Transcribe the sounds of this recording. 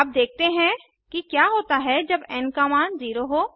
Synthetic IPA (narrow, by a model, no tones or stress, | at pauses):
əp̚d̪eːk̚ʰt̪eɦɛ̃ | kikjaːɦoːt̪aɦɛd͡ʒɐbɛːnkaːmaːnziːɾoɦoː